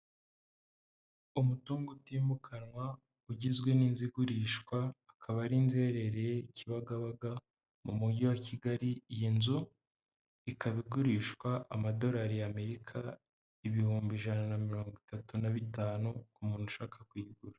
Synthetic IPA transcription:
umutuːŋɡutiːmbukʰanwa | uɟizɡwe̞ninziɡuɾiːʃkwaː | kʰaβaɾinze̞ːɾe̞ɾejeciβaɡaβaɡa | mumuɟiwaciɡaɾijinzu | ikaβiɡuɾiːʃkwaʔamado̞ɾaːɾijame̞ɾikʰa | iβihuːmbiʒananamiɾo̞ːŋɡwitatunaβitaːnukumuːn̥huʃaːkḁkwiɡuɾa

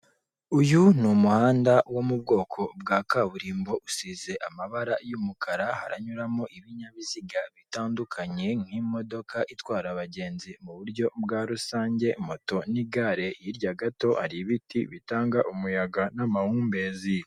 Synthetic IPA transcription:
ujunumuhaːndawo̞mub̚ɡo̞ːkʰo̞bɡaːkaβuɾiːmbo̞ʔusize̞ʔamaβaɾajumukʰaɾaha̰ɾa̰ɲuɾamo̞ʔiβiɲaβiziɡaβitaːndukʰaɲe̞ŋ̥himo̞do̞kʰaʔitwaːɾaβaɟe̞ːnzimuβuɾɟo̞bɡaːɾusaːɲɟe̞mo̞to̞niɡaɾe̞jiɾɟaɡato̞ʔaɾiβitʰḭβitaːŋɡaʔumujaɡanamahuːmbe̞ːzi

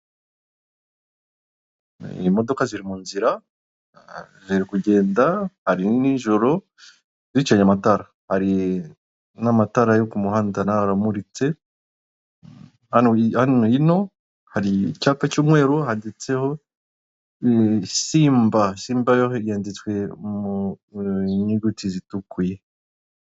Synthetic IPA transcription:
mo̞do̞kaziɾimuːnziɾa | ziɾikuɟe̞ːndahaɾiniʒo̞ɾo̞ | zit͡ʃaɲamataɾa | haɾi | namataɾajokumuhaːndanaɾamuɾit͡se̞ | hanhanoino̞ | haɾicaːpacuːmŋe̞ːɾohadet͡se̞ho̞ | siːmbasiːmbajoɦeɾjaːndit͡swe̞mu | ɲuɡutizitukuje

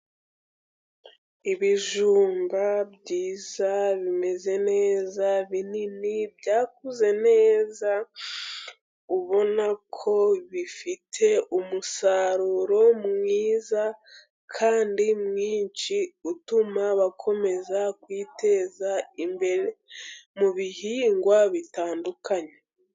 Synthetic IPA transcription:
iβiʒuːmbabɟiːzaβime̞ze̞ne̞ːzaβininibɟaːk̚uze̞ne̞ːza | uβo̞nakʰo̞βifitʰe̞umusaɾuɾo̞mŋiːza | kʰaːndimŋiːɲt͡ʃiutumaβakʰo̞me̞zakwiːte̞zaimbe̞ɾemuβihiːŋɡwaβitaːndukaɲe

